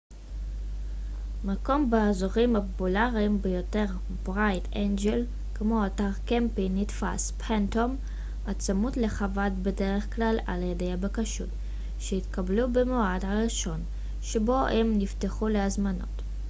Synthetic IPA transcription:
mako̞mbeazoʁimhapopulaʁimbejo̞te̞ʁ | bʁajtʰenɡel | kmo̞ataʁkempinitfa̰spʰentom | at͡samutle̞χavadbe̞de̞ʁeχklala̰ljede̞jabekaʃṵt | ʃeitkablubemoadhaʁiʃo̞n | ʃebo̞ʔemnifteχuleazmano̞̰t

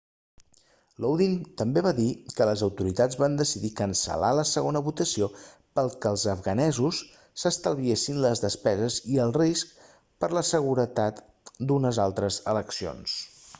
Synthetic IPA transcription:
lowðint̪əmbeβaðikələzəwt̪uɾit̪ad͡zβand̪əsiðikənsə̰laləsəɣonəβut̪əsio | pəlˠkəlˠzəfɣənɛzusː | əst̪əlˠβiesinləzðəspɛzəziəlˠrisk | pəɾləsəɣ̞uɾət̪at̪ | d̪unəzalˠt̪ɾəzələksio̰ns

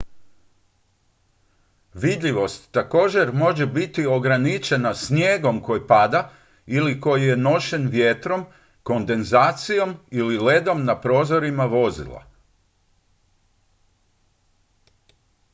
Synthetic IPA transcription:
ʋid̪ʎiʋo̞st̪ːako̞ːd͡ʑe̞ɾmo̞ʒebit̪io̞ɡɾanit͡ʃe̞nasnjeːɡo̞mko̞jpad̪a | iliko̞jije̞no̞ʃe̞nʋjet̪ɾo̞m | ko̞nd̪e̞nzaːt̪sijo̞milile̞d̪o̞mnapɾo̞ːzo̞ɾimaʋo̞zḭlˠa̰

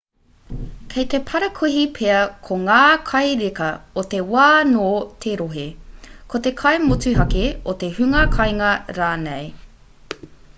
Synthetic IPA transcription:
kʰejt̪epʰɐɾɐkʰuɦipʰeɐkʰoŋaːkʰɐjɾekɐot̪e̞waːnoːt̪ʰeɾoɦekʰot̪ekʰɐjmot͡sʉɦɐkeot̪e̞hʉŋɐkʰɐjŋɐɾaːnej

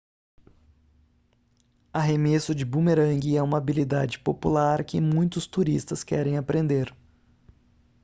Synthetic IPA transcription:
aɦemesʊd͡ʒɪbumeɾɐ̃ŋɡɪɛũmɐabilid̪ad͡ʒɪpopulaɾkɪmũj̃t̪ʊst̪uɾist̪ɐskɛ̰ɾẽj̃apɾẽnd̪eɾ

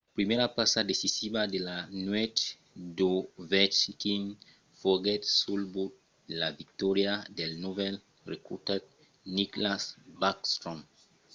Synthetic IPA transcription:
apɾimeɾapasadesisiβad̪elanwɛt̪ | d̪ovɛt͡ʃkin | foɡɛt̪sulbut̪̚ | dlavik̚t̪ɔɾjad̪elnovɛl | rekṵt̪at̪̚ | niklasbakst̪ɾɔ̃m

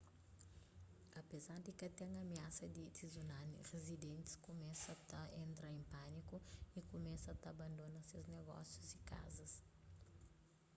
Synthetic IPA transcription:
apezaɾd̪ikat̪eŋamiasɐd̪it̪izunanḭrezid̪ẽnt̪i̥skumɛsɐt̪ɐʔent̪ɾaẽmpanikuikumɛsɐt̪aband̪onɐsewzneɡɔ̰sjuzika̰zɐs

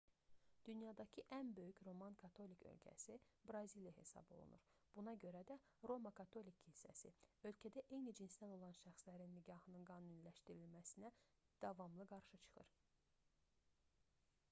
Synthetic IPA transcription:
d̪̥ynjɑd̪ɑcʰiʔænbø̞jycɾo̞mɑnkʰɑt̪ʰo̞licʰø̰lcʰæ̰sibɾɑzilijɑhe̞̰sɑ̰bo̞̰lˠṵnṵɾb̥unɑɟøɾæd̪æ | ɾo̞mɑkʰɑt̪ʰo̞likʰːinsæ̰sḭø̞lcʰæd̪æʔe̞jnid͡ʒinsd̪æno̞lˠɑnʃæxslæɾinːiɟɑhɯnɯnɡɑːnunilæʃt̪iɾilmæsinæ | d̪̥ɑvɑmlˠɯɡɑɾʃɯt͡ʃʰɯ̥xɯ̰ɾ

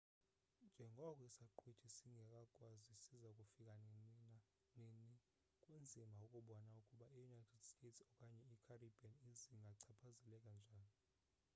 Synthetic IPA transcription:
nd͡ʒʱɛŋɡʱɔk̬ʼɔisaǃʰwetʰisiŋɡʱɛkʼakʼwazisizaukʼufikʼa | neni | kʼwend͡zʱimʱaukʼuɓɔnaukʼuɓaijunajtʰɛdstʰʼetsɔkʼaɲɛikʰaribʱianiziŋɡʱaǀʰapʰazɛlɛkʼand͡ʒʱaːni

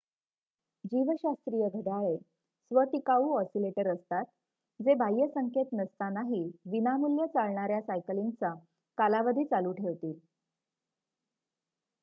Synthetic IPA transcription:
d͡ʑiʋəɕast̪ɾijəɡʱəɖaɭe | sʋət̪ikauːɔsileʈəɾəst̪at̪̚ | d͡zebʱajːəsəŋket̪nəst̪anaɦiːʋinamuljət͡saɭɳaɾjasajkəlint͡sa | kalaʋəd̪ʱiːt͡saluːʈʰeʋt̪iːl

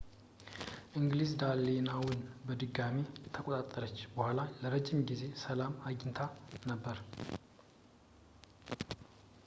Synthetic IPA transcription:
ʔɨŋɡlizd̪alːenawʊnbəd̪ɨɡːamit̪ʰəkʼot̪ʼat̪ʼːəɾət͡ʃːbəhʷalaləɾəd͡ʒːɪmɡize̞səlamaɡɪnt̪ʰanəbːəɾ

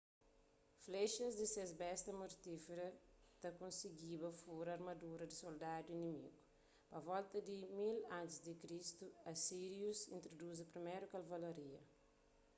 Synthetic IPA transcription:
fleʃɐzd̪isezbɛst̪ɐmoɾt̪ifeɾɐ | t̪ɐkõnsiɡibɐfuɾɐɐɾmɐd̪uɾɐd̪isold̪ad̪uinimḭɡu | pɐvɔlt̪ɐd̪imilãnt̪izd̪ikɾist̪uɐsiɾjusĩnt̪ɾod̪uz̬ɐpɾimejɾukalvalaɾiɐ

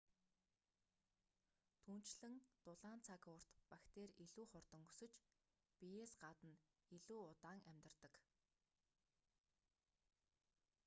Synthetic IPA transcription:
t̪ʰuːn̥t͡ɕɮɘ̆ŋt̪ʊɮaːnt͡sʰakʊr̥t̪pakt̪eːɾiɮuːχʊrt̪ɞ̆ŋu̥sɵ̆t͡ɕ | piesɢat̪ə̆n | iɮuːʊt̪aːŋæmʲt̪ə̆rt̪ə̆k

